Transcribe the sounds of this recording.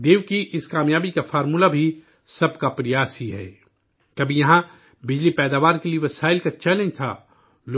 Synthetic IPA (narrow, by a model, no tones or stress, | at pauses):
d̪eːʋkiʔɪskaːmjaːbikafɔːɾmuːlabʱi | sɐbkapɾɐjaːsiɦɛ̰ː | kɐbʱijɐɦã | bɪd͡ʒlipɛːd̪aːʋaːɾkelieʋɐsaːɪlkat͡ʃɛːlẽnd͡ʒt̪ʰa̰ː | lo